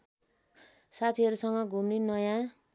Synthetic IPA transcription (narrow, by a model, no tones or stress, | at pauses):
sat̪ʰiʌɾusʌŋɡʌɡʱumninʌjã